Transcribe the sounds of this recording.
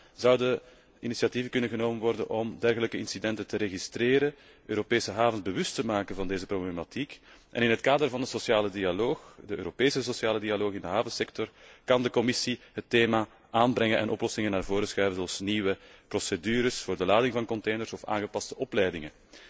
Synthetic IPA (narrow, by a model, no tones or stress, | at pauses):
zʌwdə | inisijɑtivəkʏnənɣənoːmənʋɔrdə̰nʔɔmdɛrɣələkəɪnsidɛntəntəɾeɣistɾeːɾə | øːɾopeːsəɦaːvənzbəʋʏstəmaːkənvɑndeːzəproblematikʔɛ̰nɪnɦətkaːdərvɑndəsosjaːlədiɑloːxdəøːɾopeːsəsosjaːlədiɑloːxɪndəɦaːvənsɛk̚tɔrkɑndəkɔmɪsiɦətːeːmaː | ʔaːnbɾɛŋənʔɛ̰nʔɔplɔsɪŋənaːrvoːɾəsxrɛːvəzɔɑlˠsniːwəprɔsedyːɾəsfoːrdəlaːdɪŋvɑnkɔnteːjnərsɔfa̰ːnɣəpɑstəʔɔplɛjdɪŋən